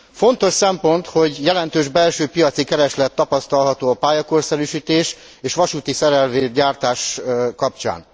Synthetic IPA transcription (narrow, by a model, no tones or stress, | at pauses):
fo̞nt̪o̞ʃsɛmpo̞nt̪ho̞ɟjɛlɛn̪t̪øːʒbɛlʃøːpijɒt̪sikɛɾɛʃlɛt̪ːɒpɒst̪ɒlɦɒt̪oːɒpaːjɒko̞rsɛɾyʃiːt̪eːʃ | eːʃʋɒʃuːt̪isɛɾɛlveːɟaːrt̪aːʃkɒpt͡ʃa̰ːn